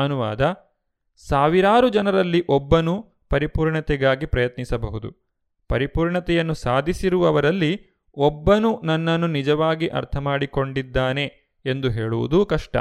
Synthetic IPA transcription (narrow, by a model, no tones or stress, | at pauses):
ɐnuʋa̰ːd̪ɐ | saːʋiɾaːɾud͡ʒɐnɐɾɐlːiʔɔbːɐnu | pɐɾipuːɾɳɐt̪ɛɡaːɡipɾɐjɐt̪nisɐbɐɦud̪ṵ | pɐɾipuːɾɳɐt̪ɛjɐnːusaːd̪ʱisiɾuʋɐʋɐɾɐlːi | ɔbːɐnunɐnːɐnːunid͡ʒɐʋaːɡiʔɐ̰ɾt̪ʰɐmaːɽiko̞ɳɖid̪ːaːne̞ | end̪uɦeːɭuʋṵd̪ukɐʂʈɐ̰